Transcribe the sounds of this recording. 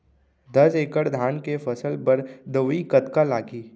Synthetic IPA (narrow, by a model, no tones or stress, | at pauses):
d̪ɐd͡ʒeːkəɽd̪ʱaːnkefʰɐsəlpəɾd̪əʋikət̪kalaːɡiː